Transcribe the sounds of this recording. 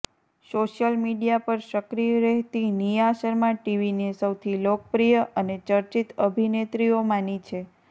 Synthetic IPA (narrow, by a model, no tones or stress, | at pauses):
soʃjəlmiɖijapəɾʃəkɾiɾeɦt̪inijaʃəɾmãʈiʋinesəwt̪ʰilokəpɾijəʔənet͡ʃəɾt͡ʃit̪əbʱinet̪ɾijomanit͡ʃʰe